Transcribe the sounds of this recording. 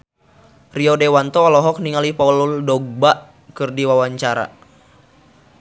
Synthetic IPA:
riɔdewant̪ɔalɔɦɔk̚niŋalipaululdɔɡ̚baʔ | kɨrdiwawaɲt͡ʃaɾa̰

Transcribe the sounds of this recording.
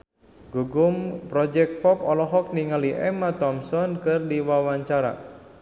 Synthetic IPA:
ɡ̥uɡumpɾɔd͡ʒɛk̚t̪̚fɔpɔlɔɦɔk̚niŋaliʔɛmat̪ɔmsɔnkɨrdiwawaɲt͡ʃaɾa̰

